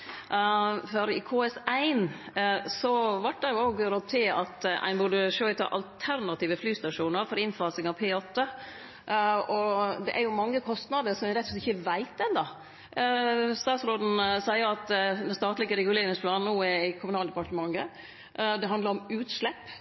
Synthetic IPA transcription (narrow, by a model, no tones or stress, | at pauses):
fɔɾɪ̰kʰoːɛsæɪnsɔʋɑʈ̚d̪ɛjʊoːɡɾɔd̪̚t̪ʰːɪlɑt̪æ̰ɪnbʊɖəʂoːɪt̪ʰɑ̰ʔɑ̰lt̪ʰæɾnɑt̪iːʋəflyːst̪ɑʂuːnəɾfɔɾɪnfɑːsɪŋɑʋpʰeːɔt̪ːə | ɔd̪ɛʔæɾjʊmɑŋːəkʰɔst̪nɑd̪əɾsɔmɪɾɛt̪ːɔslɛt̪ɪçːəʋæɪt̪ɛnd̪ɑ | st̪ɑːt̪sɾoːd̪n̩sæɪəɾɑt̪d̪ɛnst̪ɑːt̪lɪɡəɾɛɡʉleːɾɪŋspʰlɑːnn̩uːɛɾæɪkʰʊmʉnɑːld̪ɛpɑʈəmɑŋɡə | d̪ɛɦɑnd̪lɑɾɔmʉːt̪ʂlɛpː